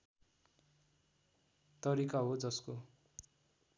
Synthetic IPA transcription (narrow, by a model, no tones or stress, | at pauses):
t̪ʌɾikaɦod͡zʌsko